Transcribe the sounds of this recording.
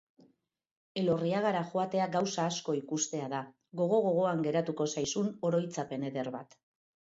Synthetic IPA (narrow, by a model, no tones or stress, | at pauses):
e̞lo̞riaɣaɾaxoat̪e̞aɡawsaːsko̞ikust̪e̞aða | ɣo̞ɣ̞o̞ɣ̞o̞ɣ̞o̞aŋɡe̞ɾat̪uko̞sajsuno̞ɾo̞jt͡sape̞ne̞ðe̞ɾβat̪